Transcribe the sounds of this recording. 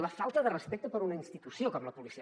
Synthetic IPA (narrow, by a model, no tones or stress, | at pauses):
ləfalˠt̪əðərəspɛk̚t̪əpəɾunəinst̪it̪usiokɔmləpulisi